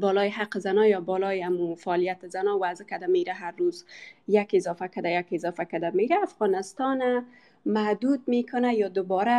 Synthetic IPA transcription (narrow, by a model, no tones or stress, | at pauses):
bɔlɔjɪɦaqəzanɔjɔbɔlɔjɪamufaːlijat̪ɪzanɔwazɪkad̪ameɾaɦaɾːozjakɪzɔfakad̪ajakɪzɔfakad̪ameɾaːfɣɔnɪst̪ɔna | mahd̪ud̪̚mekʰʊnajɒd̪ʊbɔɾa